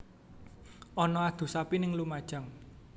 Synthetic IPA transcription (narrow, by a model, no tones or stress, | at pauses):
ʔɔnɔad̪̥ṳsapinɪŋlumad̥ʒ̥a̤ŋ